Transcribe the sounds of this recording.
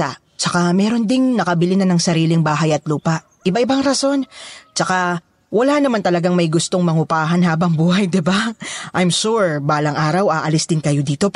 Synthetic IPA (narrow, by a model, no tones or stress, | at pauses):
a | t͡ʃɐkamɛːɾo̞nd̪ɪŋnɐkɐbɪlɪnɐnɐŋsɐɾiːlɪŋbaːɦɐjɐt̪luːpɐʔ | ʔɪbaʔɪbaŋɾɐso̞nt͡ʃɐka | wɐlanɐmant̪ɐlɐɡaŋmɐjɡʊst̪o̞ŋmɐŋʊpaːɦɐnɦaːbɐŋbuːhɐjd̪ɪbaʔajmʃuɹbaːlɐŋʔaːɾɐwʔaːʔɐlɪsd̪ɪnkɐjo̞d̪iːt̪o̞p